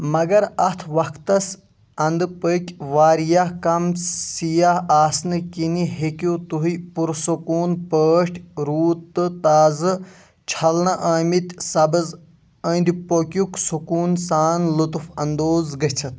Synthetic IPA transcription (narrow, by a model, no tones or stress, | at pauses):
mɐɡɐɾɐt̪ʰʋɐkt̪ɐs | ɐnd̪ɨpəkʲʋaːɾijahkɐmsijaɦaːsnɨkiniɦekʲut̪uɦipuɾsukuːnpəːʂʈʰʲɾuːt̪ːɨt̪aːzɨ | t͡ʃʰɐlnɐʔaːmit̪ʲsɐbɨz | əːnd̪ʲipokʲuksukuːnsaːnlut̪ufɐnd̪oːzɡɐt͡sʰɐt̪̚